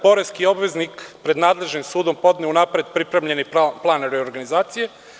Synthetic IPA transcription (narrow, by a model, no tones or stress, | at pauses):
po̞ɾeskio̞bʋe̞znikpɾe̞d̪naːd̪le̞ʒnimsuːd̪o̞mpo̞d̪neunapɾed̪̚pɾipɾemʎe̞nipplˠaːneɾeoɾɡanizaːt̪sije